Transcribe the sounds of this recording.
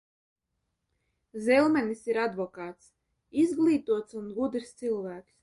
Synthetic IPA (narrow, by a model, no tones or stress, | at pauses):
zɛlˠmɛnisiɾad̪vɔkaːt̪s | izɡlˠiːt̪uɔt̪sunɡud̪ɾst̪silˠvæːks